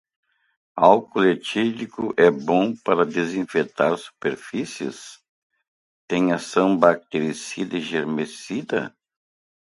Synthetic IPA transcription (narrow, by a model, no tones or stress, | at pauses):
awkulet͡ʃilikʊʔɛbõpaɾɐd̪ezĩfet̪aɾsu̥peɾfisiɪ̰s | t̪ẽj̃asɐ̃w̃bak̚t̪eɾisid̪ɐiʒeɾmesid̪ɐ̰